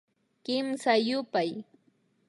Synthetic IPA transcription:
kɪmsajʊpaj

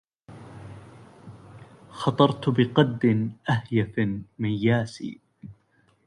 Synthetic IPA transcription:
xɑt̪ˤɑɾˤt̪bɪqɑd̪ːɪnʔahjafmajːaːsḭː

